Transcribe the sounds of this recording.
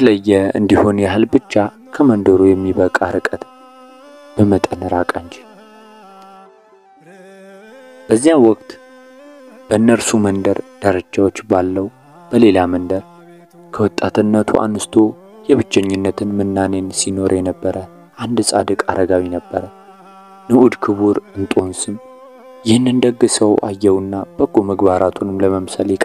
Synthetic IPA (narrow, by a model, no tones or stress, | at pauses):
t̪ʰələjːɛɨ̰nd̪iho̞njahɨlbɨt͡ʃːa | kʰəmənd̪əɾujɛmːiβəkʼaɾɨkʼət̪ | b̥əmət̪ʼənɨɾakʼənd͡ʒi | b̥əzːijawɔk̚ʼt̪ | b̥ənːəɾsumənd̪əɾd̪̥əɾət͡ʃːawot͡ʃːbalːəw | b̥əle̞lamənd̪əɾ | kʰəwɔt̪ʼːat̪ʰɨnːət̪ʰuʔa̰nɨst̪ʰo̞ | jɛβɨt͡ʃːɛɲːɪnːət̪ʰɨnmɨnːanensino̞ɾjɛnəbːəɾə | ʔand̪sʼad̪ɨkʼaɾəɡawinəbːəɾə | nɨʔud̪kʰɨβuɾɨnt̪ʼo̞nsɨm | jɪhɨnːɨnd̪əɡːɨsəwʔa̰jːɛwɨnːab̥əɡːoməɡbaɾat̪ʰunɨmləməmsəljɛkʼ